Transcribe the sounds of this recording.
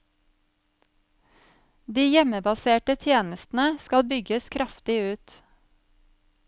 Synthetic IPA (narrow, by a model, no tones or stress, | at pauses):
d̪iːjɛməbɑseːʈət̪ʰjeːnəst̪n̩əskɑlbʏɡəskʰɾʔɑft̪ɪʉːt̪